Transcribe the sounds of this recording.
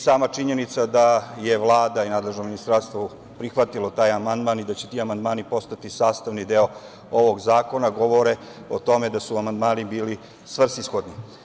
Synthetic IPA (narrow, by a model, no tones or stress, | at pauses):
saːmat͡ʃiɲe̞nit̪sad̪aje̞ʋlˠaːd̪ainaːd̪leʒnominist̪ɾaːɾst̪ʋo | pɾixʋat̪ilo̞t̪aːjamand̪maːnid̪at͡ɕet̪iːamand̪maːnipo̞st̪at̪isaːst̪aʋnid̪eo | o̞ʋo̞ɡzaːko̞naɡo̞ʋo̞ɾe | o̞t̪o̞me̞d̪asuamand̪maːnibiːli | sʋr̩sisxo̞d̪ni